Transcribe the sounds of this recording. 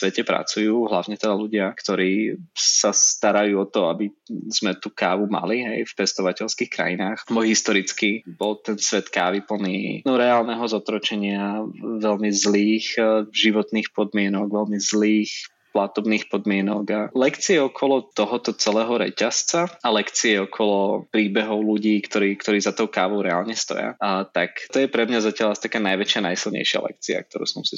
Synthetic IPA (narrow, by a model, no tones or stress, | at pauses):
sʋɛcɛpɾa̰t͡sujuːɦla̰ʊɲɛt̪ɛd̪aluɟɪakt̪ɔɾiːssast̪aɾajuːɔt̪ɔabiz̥mɛt̪uːkaːʋuma̰liɦɛ̰jfpɛst̪ɔʋacɛʎskiːxkɾa̰jinaːxbɔɦist̪ɔɾit͡skibɔlt̪ɛnsʋɛt̪kaːʋipl̩niːnɔɾɛaːlˠnɛɦɔzɔt̪ɾɔt͡ʃɛɲɪaʋɛlmizliːxʒiʋɔt̪niːxpɔd̪mɪɛnɔɡʋɛlmizliːx | plat̪ɔbniːxpɔd̪mɪɛnɔɡalɛkt͡siɛɔkʰɔlɔt̪ɔɦɔt̪ɔt͡sɛlɛːɦɔɾɛ̰cast͡saalɛkt͡siɛɔkʰɔlɔpɾiːbɛɦɔʊluɟiːkt̪ɔɾiːkt̪ɔɾiːzat̪ɔʊkaːʋɔʊɾɛa̰lɲɛst̪ɔ̰ja̰t̪akt̪ɔjɛpɾɛmɲazacɪaʎast̪akaːnajʋɛt͡ʃɪanajsilˠɲɛ̰ɪjʃɪa̰lɛ̰k̚t͡sia̰k̚t̪ɔɾṵːsɔmsi